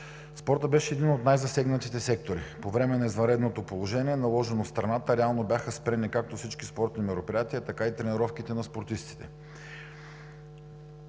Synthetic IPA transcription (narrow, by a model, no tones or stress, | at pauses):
spɔɾt̪əbɛʃɛːd̪inot̪najzɐsɛɡnət̪it̪ɛsɛkt̪oɾḭpovɾɛmɛnɐizvɐnɾɛd̪not̪opolˠoʒɛniɛnɐlˠɔʒɛnost̪ɾɐnat̪əɾɛalˠnobʲjaxəspɾɛnikak̚t̪ofsit͡ʃkispɔɾt̪nimɛɾopɾijat̪iət̪ɐkait̪ɾɛniɾɔfkit̪ɛnɐspoɾt̪ist̪i̥t̪ɛ